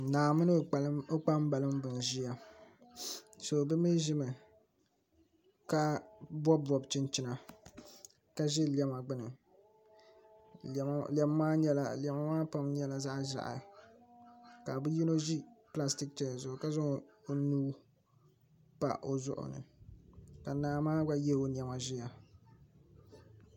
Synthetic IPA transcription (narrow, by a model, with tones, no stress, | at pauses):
naː˨mɨ˦nɨ˦˨˦o˦k͡pa˦m˦ba˨lɨ˦mbɨ˨n˨ʒi˦ja˨ | so˨bɨ˦mi˦ʒɪ˦mɨ˨ | ka˦bɔː˦˨ɔ˨bt͡ʃɪ˦nt͡ʃɪ˦na˨ | ka˦ʒɛ˦li˨ɛ˦ma˨ɡ͡bɨ˦nɨ˨˦ | lɛ˨m˦maː˦ɲɛ˦la˨lɛ˨ma˨˦maː˦pa˦mɲɛ˦la˦za˦ʔʒa̰˨ʔa̰˨ | ka˨bɨ˦ji˦no˦ʒi˦pla˦sti˦k̚t͡ʃɛ˨˦a˨zʊ˦˨ʊ˨ka˦zʊ˦ŋ˨o˨nuː˦ | pa̰˨o˨zʊ̰˦ʔʊ̰˨nɨ̰˨ | ka˨naː˨˦maː˦ɡa˦jɛ˦˨o˨n˨ɛ˨ma˨ʒɪ˦ja˨